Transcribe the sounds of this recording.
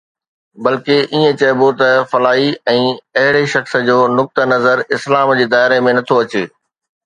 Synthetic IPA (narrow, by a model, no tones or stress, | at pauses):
bɐlkeʔiːə̃t͡ɕɐɪbot̪ɐfɐlaːɦiɛ̃ːɐɦɪɽeʃɐxsəd͡ʑoːnʊk̚t̪ənɐzəɾɪslaːmd͡ʑeːd̪aːɪɾemẽnɐt̪ʰoɐt͡ɕeː